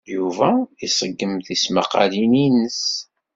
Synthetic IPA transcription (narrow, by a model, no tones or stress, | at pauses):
juvæisˤəɡːəmðisməqɑ̰lininəs